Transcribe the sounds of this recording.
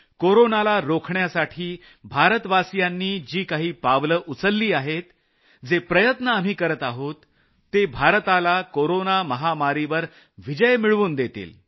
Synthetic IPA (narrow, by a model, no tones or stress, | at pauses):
koɾonalaɾokʰɳjasaʈʰiː | bʱaɾət̪ʋasjanːiːd͡ʑiːkaɦiːpaʋləʔut͡səlːiːaɦet̪ | d͡zepɾəjət̪nəam̤iːkəɾət̪aɦot̪ː | ebʱaɾt̪alakoɾonaməɦamaɾiʋəɾ | ʋid͡ʑəjmiɭʋuːnd̪et̪ḭːl